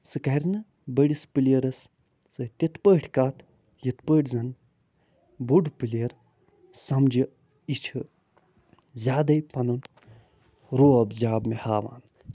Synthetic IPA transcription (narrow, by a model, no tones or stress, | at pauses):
sɨkɐɾʲnɨ | bəɽʲispɨleɾɐs | sɨt̪ʲet̪pəːʈʰkaːt̪ | jit̪pəːʈzɐn | buɖpɨleːɾ | sɐmd͡ʒi | it͡ʃʰɨ | zʲaːd̪ɐjpɐnun | ɾoːɐbzʲaːbmehaːʋa̰ːn